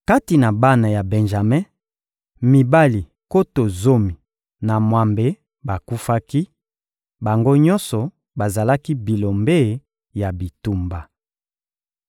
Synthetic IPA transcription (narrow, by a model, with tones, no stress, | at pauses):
ka˦ti˨na˨ba˦na˨ja˨bɛ˨nʒa˨mɛ̃˦ | mi˨ba˦li˨ | ko˦to˨zo˦mi˨ | na˨mwa˨mbe˦ | ba˨ku˦fa˦ki˦ | ba˨ŋɡo˦ɲɔ˦nsɔ˨ | ba˨za˨la˦ki˦bi˨lo˨mbe˦˨ | ja˨bi˨tu˦mba˨